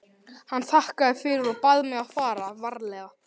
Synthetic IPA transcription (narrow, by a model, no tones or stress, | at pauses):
hanːθahkaðɪfɪɾɪɾɔðpaðmɛɣaðfaːɾavaɾlɛːɣa